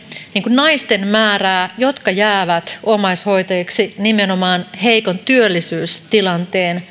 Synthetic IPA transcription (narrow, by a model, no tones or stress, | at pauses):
niːŋkunnɑist̪e̞nmæːræːjo̞t̪kɑjæːʋæt̪omɑisho̞it̪ɑjiksinimeno̞mɑːnhe̞jko̞nt̪yølːisyːst̪ilɑnt̪eːn